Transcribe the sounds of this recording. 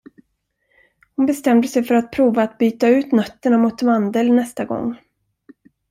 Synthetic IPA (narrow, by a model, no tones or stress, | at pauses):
hʊnbɛst̪ɛmd̪əsɛjfœɾat̪̚pʰɾuːvaːt̪byːt̪aʉ̟ːt̪nœt̪ːəɳamʊt̪mand̪əlnɛst̪aɡɔ̰ŋː